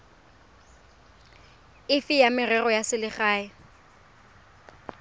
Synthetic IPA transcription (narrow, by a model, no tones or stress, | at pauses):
ɪfɪjamɪrɛrɔjasɪlɪχaːɪ